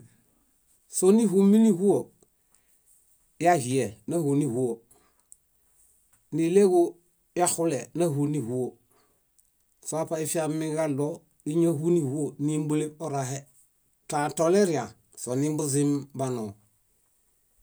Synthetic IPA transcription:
soni˦ɦu˦mːi˦ni˦hu˦o | ja˦hi˨e˨na˦hu˨ni˦hu˦o | ni˨le˦ɡo | ja˦xu˦lena˦ɦuni˦hu˦o | soa˦pai˦fi˦amːiɡalo | i˦ɲa˦hu˦ni˦hu˦o˨ni˦mbu˦le˦bo˦ɾaɦe˦ | tatole˦ɾija˨ | so˨ni˦mbu˦zimbanoː˨

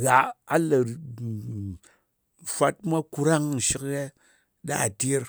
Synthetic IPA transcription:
ɣa˨a˦lə˨ | fʷa˧t̚mʷa˦ku˧ɾa˦ŋ̩˨ʃi˦kje˦ | ɗa̰˦˨ti˦ɾ

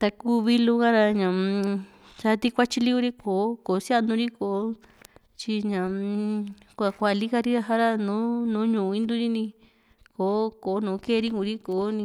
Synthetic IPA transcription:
t̪a˧ku˦˧βi˦lu˧ɣã˦ɾa˧ɲã˨ | t͡ʃa˧t̪i˧kʷa˦t͡ʃi˧li˦u˧ɾi˦koː˨˦ko˨˦si˦a˦˧nũ˧ɾi˦ko˨o˦ | t͡ʃi˧ɲã˨ | kʷa˧˨kʷa˧˨li˦ka˧ɾi˦ɾa˧ɦa˦ɾa˧nũ˦nũː˨˦ɲũː˨˧ĩ˧˦nd̪u˦ɾi˦nĩ˧ | ko˨˦ko˨˦nũː˨˦ke˦˧ɾi˦ŋũ˧ɾi˦ko˨˦nĩ˧

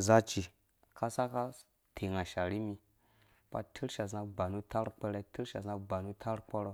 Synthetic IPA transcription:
za˦t͡ʃi˨ | ka˦sa˦ka˦ | tʰe˨ŋa˨ʃa˨ɾi˦mi˨ | pa̰˦tʰi˦ɾʃa˨za˦ɡ͡ba˨nu˦ta˦ɾk͡pə˦ɾe˦ti˦ɾʃa˨za˦ɡ͡ba˨nu˦tʰa˦ɾk͡po˦ɾo˦

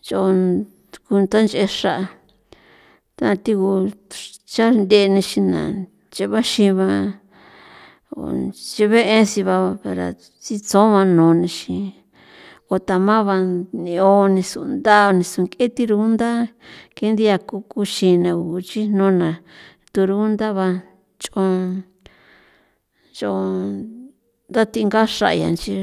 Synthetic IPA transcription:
t͡ʃo˧o˧ | ku˧t̪a˦nt͡ʃe˧ʂa˦˨ʔa˧ | t̪a˦˧t̪i˧ku˧ | t͡ʃa˦nd̪e˧nĩ˧ʃĩ˧nã̰˨ | t͡ʃe˧βa˦ʃĩ˧βã˧ | o̰˨t͡ʃe˧βe˦ʔẽ˦si˧βa˧a˧e˧ɾa̰˨ | t͡si˧t͡sõ˦βã˧nõː˨˧nĩ˧ʃĩ˧ | o˨t̪a˨mã˦βa˧nĩ˧o˧nĩ˧su˧nd̪a˦o˧nĩ˧su˧˨ŋkʼe˦t̪i˦ɾu˧˦nd̪a˦ke˦nd̪i˦ja˧ku˦ku˧ʃĩ˧nã˧u˨˧t͡ʃi˦n̥õ˦nã˨ | t̪u˧ɾu˧˦nd̪a˦βa˧ | t͡ʃõ˧ | t͡ʃo˧ | nd̪a˦t̪i˧ŋɡa˦ʂa̰˧ʔja̰˨nt͡ʃi˦˧

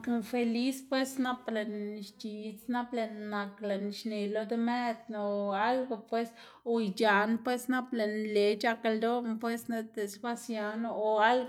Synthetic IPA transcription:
kfe˧li˦spwe˦sna˦ple˨nʃt͡ʃi˨t͡sna˦ple˧nːa˨kle˨nʃne˨lo˧d̪e˦me˦t̪no˨a˦lɡo˧pwe˦s | o˧jd͡ʒa˨npwe˦sna˦ple˨nle˨˦t͡ʃa˧ke˧ld̪o˦pwe˦sne˧d̪e˨sba˦sja˨˧no˧o˨a˦lɡ

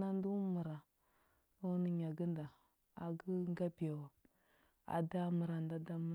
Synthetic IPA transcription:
a˦n˦du˦mu˨ɾa˨ | u˦ni˨ɲa˨ɡə˦nda˨ | a˨ɡə˦ŋ˦ɡa˦bi˨ja˨w | a̰˨da˦mə˨ɾa˨nda˦da˦m˦

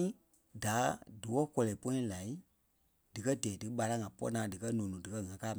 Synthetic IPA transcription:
ĩ˦ | da˨˦dɨ˨wɔ˦kɔ˧lɛ˨pɔ̃˦ɛ̃˦la˨i˦ | d̥ɨ˨kɜ˦di˨ɛː˨dɨ˨ɓa˧la˦˨ŋã˨pɔ̰˦nãː˨˦dɨ˨kɜ˦nũː˨nũ˨dɨ˨kɜ˦ŋã˨kaː˦˨m˨

